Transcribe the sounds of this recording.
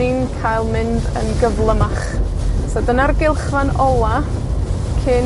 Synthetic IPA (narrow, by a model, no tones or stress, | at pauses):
inkʰajlˠmɪndə̰nɡəvlˠəmaχ | sodənarɡɪlˠχvanɔlˠa | kʰɪ